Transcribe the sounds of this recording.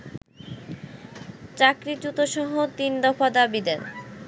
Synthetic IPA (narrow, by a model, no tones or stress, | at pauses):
t͡ɕakɾit͡ɕut̪oʃɔɦot̪ind̪ɔfad̪abid̪eɾ